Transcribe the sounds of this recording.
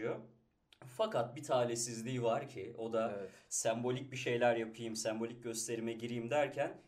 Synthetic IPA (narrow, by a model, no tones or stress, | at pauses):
o | fakat̪̚bit̪ʰaːlʲesizlʲiːvaɾcʰɪo̞d̪aɛsæmbo̞lʲic̚biʃe̞jlʲæɾjapʰɯjɯmsæmbo̞lʲic̚ɟø̞st̪ʰe̞ɾimɛɟiɾijimd̪æɾcʰæn